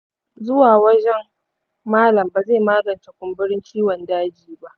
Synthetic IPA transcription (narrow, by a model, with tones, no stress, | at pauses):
zʊ˦waː˨wɐ˦d͡ʒɛ˦m | maː˦lɐ˨mba˨ze˦˨maː˦ɡɐ˨nta˨kʷʊ˦mbɪ˦ɽɪ˦nt͡ʃiː˦wɔ˨ndaː˦d͡ʒiː˨ba˦ʔ